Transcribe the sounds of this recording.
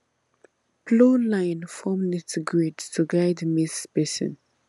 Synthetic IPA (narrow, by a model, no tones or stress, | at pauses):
plolãɪ̃nfɔmnɪtɡɹedtʰuɡaɪdmispɛsɔ̰̃n